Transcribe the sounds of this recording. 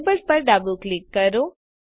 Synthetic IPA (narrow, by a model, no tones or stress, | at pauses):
bəɾpəɾɖaboklɪkːəɾo